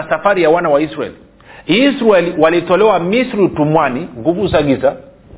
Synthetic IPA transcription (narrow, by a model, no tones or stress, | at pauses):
safaɾijawanawaisɾɛ̰li | isɾuɛliwalitɔlɛwamisɾitumwaniŋɡuvusaɡiza